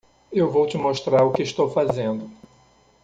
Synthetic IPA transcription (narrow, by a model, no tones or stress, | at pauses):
ewvowt͡ʃɪmoʃt̪ɾaɾʊkɪiʃt̪owfazẽnd̪ʊ